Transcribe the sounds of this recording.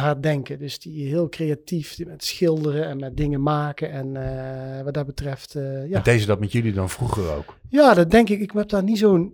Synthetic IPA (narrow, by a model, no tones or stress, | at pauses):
ɦaɹdɛŋkədɵsdiɦɪːlˠkrejatifmɛtsxɪlˠdərəɛnmɛt̚dɪŋəmaːkənɛn | ʋɑt̚dɑtbətrɛftjandejzədɑtmɛtjɵlidɑnvruχəro̰wkjaːdɑt̚dɛŋkɪkɪkmɛp̚danizown